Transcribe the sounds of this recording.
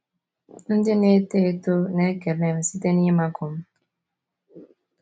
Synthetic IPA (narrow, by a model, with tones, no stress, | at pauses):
n̩˦dɪ˦ne˦te˦˨tʊ˦ne˦ke˨ɾne˦˨m̩˨si˦te˦ni˦ma˦kʊ˨m̩˦